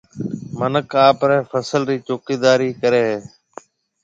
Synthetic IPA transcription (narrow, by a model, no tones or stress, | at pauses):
mənəkaːpɾɛ̃ːfəsəlɾiːt͡ʃoːkiːd̪aːɾiːkəɾeːɦeː